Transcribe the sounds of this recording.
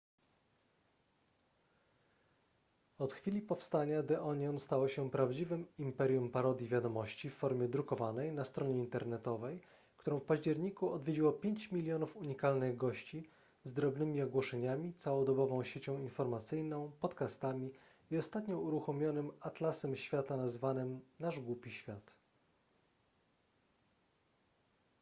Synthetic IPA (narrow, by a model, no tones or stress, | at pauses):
ɔt̪xfʲilʲipɔfst̪aɲad̪ɛʔɔɲɔnst̪awɔɕɛpɾavd͡ʑivɘmimpɛɾʲjumpaɾɔd̪ʲjivʲjad̪ɔmɔɕt͡ɕifːɔɾmʲjɛd̪ɾukɔvanɛjnast̪ɾɔɲɛint̪ɛɾnɛt̪ɔvɛj | kt̪uɾɔ̃w̃fpaʑd͡ʑɛɾɲikuɔd̪vʲjed͡ʑiwɔpʲjeɲt͡ɕmʲilʲjɔnufuɲikalnɘɣɡɔɕt͡ɕi | zd̪ɾɔbnɘmʲiɔɡwɔʂɛɲamʲit̪sawɔd̪ɔbɔvɔ̃w̃ɕet͡ɕɔ̃w̃infɔɾmat̪sɘjnɔ̃w̃pɔt̪kast̪amʲi | iɔst̪at̪ɲɔuɾuxɔmʲjɔnɘmat̪lasɛmɕfʲjat̪anazvanɘmnaʐɡwupʲiɕfʲjat̪